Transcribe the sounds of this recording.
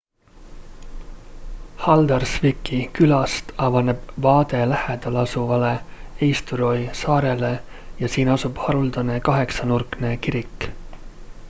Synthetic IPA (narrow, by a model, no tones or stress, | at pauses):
hɑld̪ɑrsvikːˑikylɑst̪ɑvɑne̞b̥vɑːd̪e̞læhed̪̥ɑlɑsuvɑle̞ejst̪uɾo̞jsɑːɾe̞le̞ | jɑsiːnɑsub̥hɑɾuld̪̥ɑne̞kɑɦe̞ksɑnurkne̞kiɾikː